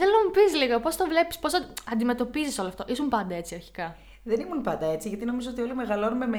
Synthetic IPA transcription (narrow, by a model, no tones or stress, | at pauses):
θelonɐmupisliɣɐpo̞st̪ovle̞pispo̞sɐɐnd̪ime̞t̪o̞piziso̞loɐft̪o̞ʔisumpɐnd̪ɐe̞t͡siɐɾçi̥kɐ | ðenimunpɐnd̪ɐe̞t͡siʝɐt̪ino̞mizoo̞t̪io̞lime̞ɣɐlo̞numeme